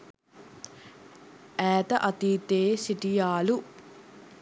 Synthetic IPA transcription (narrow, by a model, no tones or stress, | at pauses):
ɛːt̪ɐʔɐt̪iːt̪eːsiʈijaːlu